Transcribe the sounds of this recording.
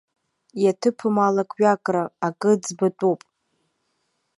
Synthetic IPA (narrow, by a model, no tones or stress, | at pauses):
jatʰɨpʰɨmalakʼɥakʼraakʼɨd͡zbatʼupʼ